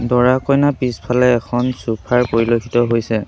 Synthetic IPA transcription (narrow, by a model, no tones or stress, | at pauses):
dɔɹakɔjnapispʰalɛːkʰɔnsupʰaɹpoɹilokʰi̥tɔɦojsɛ